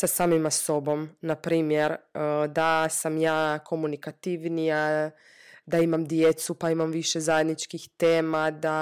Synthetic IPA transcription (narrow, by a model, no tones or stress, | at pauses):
sasaːmimaso̞bo̞mnapɾiːmjeɾd̪asamjaːkʰo̞munikat̪iʋnija | d̪aimamd̪jet̪supaimamʋiʃezajed̪nit͡ʃkixt̪eːmad̪a